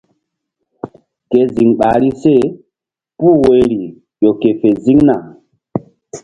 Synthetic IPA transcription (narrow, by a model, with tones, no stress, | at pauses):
ke˨zi˨ŋɓa˨ɾi˦se˦˨ | pu˦˨we˨˦ɾi˨ | jo˨ke˨fe˨zi˦ŋna˨